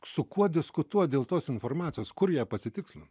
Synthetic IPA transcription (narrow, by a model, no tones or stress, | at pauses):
sʊkuɔd̪ʲɪskʊt̪uɔtd̪ʲeːlˠt̪oːsɪnfoːɾmɑːt̪ʲɪjoːskʊɾjiɛpɐsʲɪt̪ʲɪksʲlʲɪn